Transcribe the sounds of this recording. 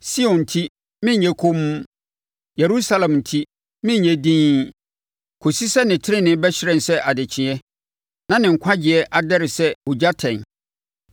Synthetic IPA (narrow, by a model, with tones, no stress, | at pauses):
si˦ɔ̃˨n̩˨tʰi˦ | mɪ̃˦ɲɲɛ̃˦kʰo˦m˦ | je˨ɾu˦sa˦lɛ̃˨mn̩˨tʰi˦ | mɪ̃˦ɲɲɛ̃˦dĩː˦ | kʰo˨si˦sɛ˦nɪ̃˨tʰɪ˦ɾɪ˦nɪ̃˦bɛ˦ɕɪ˦ɾɛ̃˨n̩˨sɛ˦ʔa˨dɪ˨t͡ɕʰɪ̃˨ɛ˦ | nã˦nɪ̃˨ŋ̩˨kʷʰa˦d͡ʑɪ˨ɛ˦ʔa˨dɛ˦ɾɪ˨sɛ˦o˨d͡ʑa˦tʰɛ̃˨n˨